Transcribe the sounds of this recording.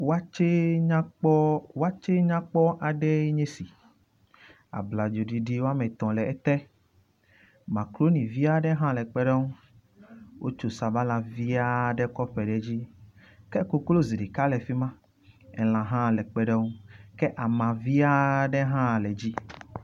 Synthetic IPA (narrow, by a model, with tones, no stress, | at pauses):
wa˦t͡ʃe˦a˦k͡pɔ˦wa˦t͡ʃe˦ɲã˦k͡pɔ˦ʔa˨ɖɛ˦e˦ɲẽ˦si˨ | a̰˨bla˨d͡ʒo˨ɖi˨ɖi˦wo˦a˦mɛ̃˨t̪ɔ̃˨lɛ˨ɛ˦t̪ɛ˦ | mã˨klo˦nĩ˨vi˦a˦ɖɛ˦ɦã˦lɛ˨k͡pɛ˦ɖɛ˦ŋũ˦ | wʔo˦t͡ʃo˨sa˨ba˦la˨vi˦a˦ɖɛ˦kɔ˦ɸɛ˨ɖɛ˨d͡ʑi˦ | kɛ˦ko˦klo˦zi˨ɖi˨ka˦lɛ˨fi˦mã˦ | ɛ˨l̃ã˨ɦã˦lɛ˨k͡pɛ˦ɖɛ˦ŋũ˦kɛ˦ʔa˨mã˨vi˦a˦ɖɛ˦ɦã˦˨lɛ˨d͡ʑi˦